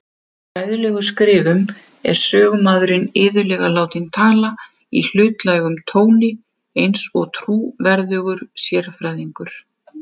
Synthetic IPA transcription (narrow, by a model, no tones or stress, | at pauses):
ɾaːjðʏlɛːɣʏskɾɪːvʏm | ɛ̰ɾ̥sœːɣmaðɾɪnɪːðʏlɛɣalaːwt̪ɪnt̪ʰaːla | ḭl̥ʏːt̪lajɣʏmt̪ʰoːwnɪ | ejnsɔɣt̪ʰɾuːvɛɾðʏːɣʏɾ̥sjɛr̥fɾajðiŋkʏɾ̥